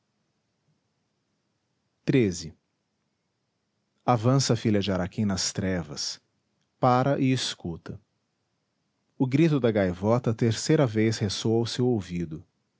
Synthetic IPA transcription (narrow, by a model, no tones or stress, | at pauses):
t̪ɾezɪ | avɐ̃sɐfiʎɐd͡ʒɪaɾakẽj̃nɐst̪ɾɛvɐ̰s | paɾɐʔɪɪskut̪ɐ | ʊɡɾit̪ʊd̪ɐɡajvɔt̪ɐt̪eɾsejɾɐvejshesoɐʊsewowvid̪ʊ